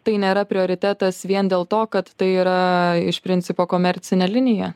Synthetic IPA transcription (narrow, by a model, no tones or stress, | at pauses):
t̪ɐɪnʲeːɾɐpʲɾʲɪoːɾʲɪt̪ʲæːt̪ɐsʋʲiɛnd̪ʲeːlˠt̪oːkɐt̪ːɐɪiːɾɐɪʃpʲɾʲɪnʲsʲɪpoːkoːmʲɛɾʲt̪sʲɪnʲɛːlʲɪnʲɪjɛ